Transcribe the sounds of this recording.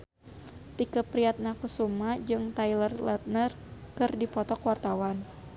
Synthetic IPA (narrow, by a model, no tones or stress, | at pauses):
t̪ikəpɾiat̪̚nakusumad͡ʒɨŋt̪ajlərlat̪̚nər | kɨrdipɔt̪ɔkwart̪awan